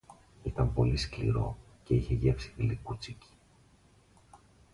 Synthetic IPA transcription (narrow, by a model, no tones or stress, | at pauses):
it̪ɐmpo̞lisklḭɾo̞̰ | ce̞içe̞ʝe̞fsi̥filikut͡sici̥